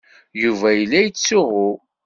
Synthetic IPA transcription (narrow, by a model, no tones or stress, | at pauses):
juvæjəlːæjət͡sːʊʁʊ